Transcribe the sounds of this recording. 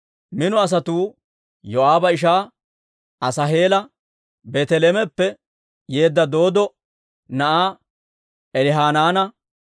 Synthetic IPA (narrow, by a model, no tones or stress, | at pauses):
mɪnʊɐs̬ɐt̪uː | jɔʔaːbɐɪʃ̬aː | ɐsɐɦe̞ːlɐ | beːt̪ɛleːmɛpːɛ | je̞ːd̪ːɐd̪o̞ːd̪ɔ | nɐʔaː | ɛlɪɦaːnaːnɐ